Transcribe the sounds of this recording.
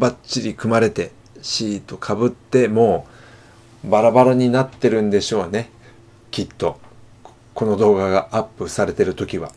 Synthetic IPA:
bat͡ɕːiɾʲikɯ̟maɾe̞t̪e̞ | ɕiːt̪o̞kʰabɯ̟t̪ːe̞mo̞ː | baɾabaɾaɲ̟inat̪ːe̞ɾɯ̟̃nd̪e̞ɕo̞ːne̞ | kʲit̪ːo̞ | ko̞no̞d̪o̞ːɡaɡaapːɯ̟saɾe̞t̪e̞ɾɯ̟t̪o̞kʲiβ̞a

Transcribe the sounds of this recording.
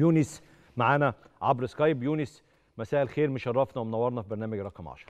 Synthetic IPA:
juːnis | maʕaːnæʕabɾɪskɑjbjuːnɪs | mæsæːʔelxeːɾmeʃɑrˤːɑfnɑwemnæwːɑɾˤnɑfibeɾnæːmæɡɾˤɑ̰qɑmʕɑ̰ʃɑɾˤ

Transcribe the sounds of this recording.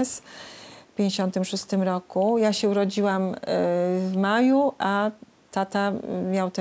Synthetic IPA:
s | pʲjẽɲd͡ʑeɕɔnt̪ɘmʂust̪ɘmɾɔkujaɕɛuɾɔd͡ʑiwam | vmajuʔa | t̪at̪amʲjawt̪ɛ

